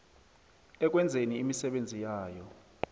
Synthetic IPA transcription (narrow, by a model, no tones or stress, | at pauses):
ɛk̬ʼwɛnd͡zʱeniːmisɛɓend͡zʱijaːjɔ